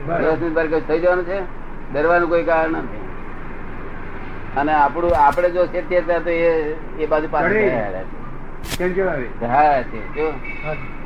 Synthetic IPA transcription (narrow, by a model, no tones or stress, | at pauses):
bəsnibaɾk̬ed͡ʒt̪ʰəid͡ʒəʋanũt͡ʃʰe | d̪əɾʋanũkoikaɾəɳət̪ʰi | əneapɽ̃ũapɽ̃ed͡ʒoset̪jəɾt̪jat̪oe | ebad͡ʒupaa̰lja̰t͡ʃʰe | kẽnd͡ʒoaʋeɦat͡ʃʰed͡ʒo